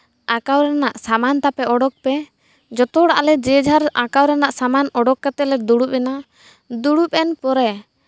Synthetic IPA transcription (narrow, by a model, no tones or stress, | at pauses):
akawɾɛnaʔsamant̪apɛɔɽɖɔk̚pɛ | d͡ʒɔt̪ɔɽaʔalɛd͡ʒɛd͡ʒʱaɾakawɾɛnaʔsamanɔɖɔkːat̪ɛlɛd̪uɽup̚ɛna | d̪uɽup̚ˀɛnpɔɾɛ